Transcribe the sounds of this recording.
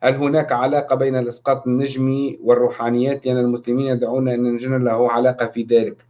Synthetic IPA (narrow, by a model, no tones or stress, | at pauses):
halɦʊnaːkʕalɑːqɑbajnalʔɑsqɑːt̪ˤɪnːaʒmiwɪrˤːuːħaːnɪjːaːt̪lɪʔanːalmʊslɪmiːnjad̪ʕuːnaʔɪnːanʒɪnalahʊːʕalɑːqɑfiðaːlɪk